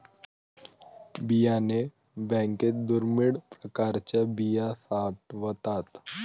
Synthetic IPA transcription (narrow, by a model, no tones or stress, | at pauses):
bijane | bɛ̃ːŋket̪̚d̪ʊɾmɪɽpɾəkaːɾt͡ʃabijasaːʈʋət̪aːt̪